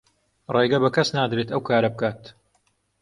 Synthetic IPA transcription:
reːɡɐbɐkɐsnaːd̪ɾet̪ɐwkʰaːɾɐbɨkaːt̪

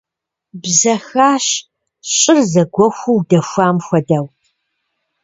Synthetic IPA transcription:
bzɐxaːɕ | ɕʼɪrzɐɡʷɔxʷuwdɐxʷaːmxʷɐdɐw

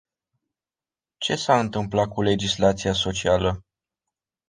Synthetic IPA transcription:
t͡ʃe̞saɨnt̪ɨmplakule̞d͡ʒislat̪sijaso̞t͡ʃialə

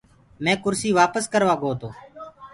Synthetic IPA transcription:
mɛ̃ːkʊɾsiːʋaːpəskəɾʋaːɡoːt̪oː

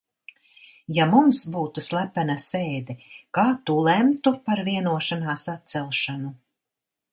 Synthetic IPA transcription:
jamumsbuːt̪uslˠæpːɛnaseːd̪ɛkaːt̪ulɛmt̪upaɾviɛnuɔʃanaːsat̪̚t̪sɛlˠʃanu

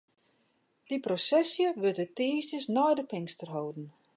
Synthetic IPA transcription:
d̥iprosɛsjəʋøtətiːstəsnɔjdəpɪŋstərɦowdn̩

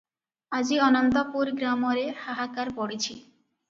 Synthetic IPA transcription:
ad͡ʑiɔnɔnt̪opuɾɡɾamoɾehaɦakaɾpɔɽit͡ɕʰi

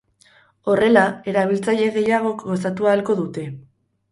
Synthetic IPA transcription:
o̞re̞lae̞ɾaβ̞ilt͡saʎe̞ɣe̞jaɣ̞o̞kɡo̞sat̪uaːlko̞ðut̪e̞

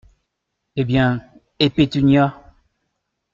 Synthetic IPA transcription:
ebjɛ̃ | epet̪yɲja

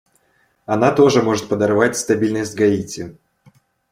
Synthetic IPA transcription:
ɐnat̪o̞ʐɨmo̞ʐɨt̪̚pəd̪ɐrvatʲst̪ɐbʲilʲnəsʲtʲɡɐitʲɪ

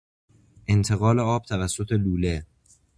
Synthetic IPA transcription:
ʔe̞nt̪ʰe̞ɣɒːleɒːb̚t̪ʰævæsːot̪ʰe̞luːle

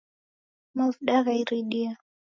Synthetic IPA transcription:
mavɗaɣaiɾiɗia

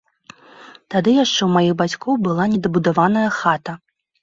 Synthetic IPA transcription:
t̪ad̪ɨjaʂt͡ʂɛwmajiɣbat͡sʲkɔwbɨlˠanʲɛd̪ɐbud̪avanɐjɐxat̪ɐ

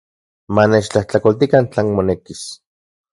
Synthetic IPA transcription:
manet͡ʃt͡ɬaht͡ɬakolt̪ikant͡ɬeːnmonekis

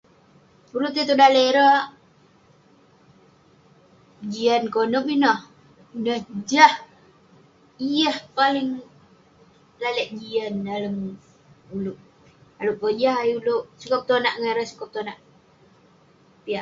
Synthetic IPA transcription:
puɾut̪et̪udaleɾə | d͡ʒiankonupinɔh | inəhd͡ʒah | ijahpalɪŋ | laləʔd͡ʒiandaləm | uluʔ | aluʔpod͡ʒahajuloʔsukəp̚t̪onaʔŋaɾəsu̥kəp̚t̪onaʔ | piaʔ

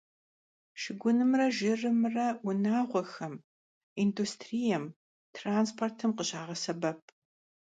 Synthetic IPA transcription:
ʃɪɡʷʊnɨmrɐʒɪrɨmrɐʊnaːʁʷɔxɐm | industʰrijɛm | tʰraːnspʰortʰɨmqəɕaːʁɐsɐbɐp̚ʰ

